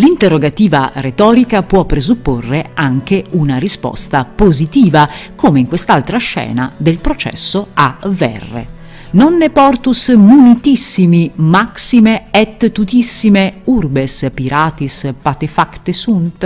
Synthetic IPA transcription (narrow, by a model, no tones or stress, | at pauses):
lint̪erːoɡat̪iːva̰ret̪ɔːɾikapwɔpːɾezupːorːeaŋk̟eunaɾispɔ̰st̪apozit̪iːvakoːmeiŋkwest̪alt̪ɾaʃːɛ̰ːna̰d̪elpɾot͡ʃɛ̰sːoavɛ̰rːḛ | nonːepɔrt̪usmunit̪isːimimaksimeɛt̪ːut̪isːimeurbespiɾaːt̪ispat̪efakt̪esunt̪